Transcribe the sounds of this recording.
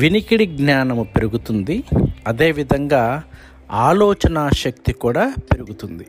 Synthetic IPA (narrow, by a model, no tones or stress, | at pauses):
ʋinikiɽiɡnaːnɐmupeɾuɡut̪und̪iɐd̪eːʋid̪ʱɐŋɡaː | aːlɔːt͡ʃɐnaːʃɐk̚t̪ikuːɽaːpeɾuɡut̪und̪i